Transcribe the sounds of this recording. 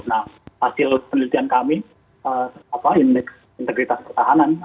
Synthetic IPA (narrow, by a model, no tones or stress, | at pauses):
nahhasɪlpənilit̪iankami | əapaindɪk | int̪əɡɾit̪aspərt̪aɦanan